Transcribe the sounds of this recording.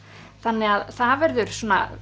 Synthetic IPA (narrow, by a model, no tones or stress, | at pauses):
θanːɪaðθavɛɾðʏɾ̥sɔːna̰